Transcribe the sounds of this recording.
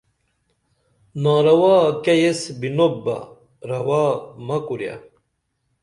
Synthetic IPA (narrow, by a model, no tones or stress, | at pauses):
naːɾɐwaːkɐjesbinoba̰ | ɾɐwaːmɐkuɾja̰